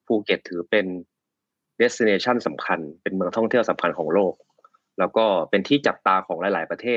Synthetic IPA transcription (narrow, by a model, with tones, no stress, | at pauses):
pʰuː˧ke˨˩t̪̚ʰːɯː˩˦pe˧n | de˦˥si˧neː˧t͡ɕʰa˥˩nsa˩˦mkʰa˧npe˧nmɯ˧əŋt̪ʰɔ˥˩ŋt̪ʰi˥˩əwsa˩˦mkʰa˧nkʰɔː˩˦ŋloː˥˩k̚ | lɛː˦˥wkɔː˥˩pe˧nt̪ʰiː˥˩t͡ɕa˨˩p̚t̪aː˧kʰɔː˩˦ŋlaː˨˦jlaː˩˦jpɾa˧t̪ʰeː˥˩